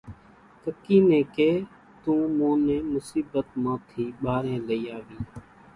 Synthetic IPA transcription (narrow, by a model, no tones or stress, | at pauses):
k̪əkiːnẽːkeː | t̪ũːmõːnẽːmʊsiːbət̪mãːt̪ʰiːɓaːɾẽːləiːaːʋiː